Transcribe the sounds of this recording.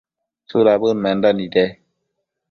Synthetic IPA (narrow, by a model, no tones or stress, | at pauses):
sulabəmɛndanidɛ